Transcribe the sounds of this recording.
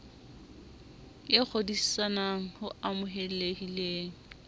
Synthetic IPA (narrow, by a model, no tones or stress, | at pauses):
ɪk͡xʰodisi̥sanaŋ̩hʊamʊɦɛl̩leɡileːŋ̩